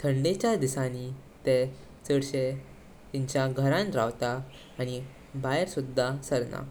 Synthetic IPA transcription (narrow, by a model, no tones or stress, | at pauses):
t̪ʰəɳɖet͡ɕad̪isãni | t̪ɛ | t͡səɽɕe | t̪iɲt͡ɕjaɡʱəɾãnɾaʋt̪aː | ɽ̃i | bajɾsud̪ʱːasəɾna̰